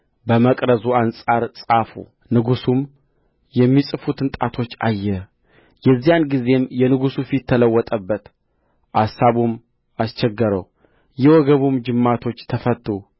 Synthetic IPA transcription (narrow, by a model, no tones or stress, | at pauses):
bəməkʼɾəzuansʼaɾsʼafṵ | nɨɡusum | jɛmːisʼɨfut̪ʰɨnt̪ʼat̪ʰo̞t͡ʃːajːɛ | jɛzːijanɡize̞mjɛnɨɡusufit̪ʰːələwːɔt̪ʼəbːət̪ | ʔasːaβum | ast͡ʃɛɡːəɾə̰w | jɛwɔɡəβumd͡ʒɨmːat̪ʰo̞t͡ʃːt̪ʰəfət̪ːu